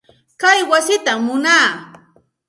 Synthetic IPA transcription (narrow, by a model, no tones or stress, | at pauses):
kajwasɪt̪amːʊnaː